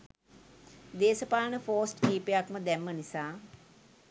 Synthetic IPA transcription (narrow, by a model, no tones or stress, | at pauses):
d̪eːsəpaːnəfoːsʈkiːpejakməd̪æmːənisaː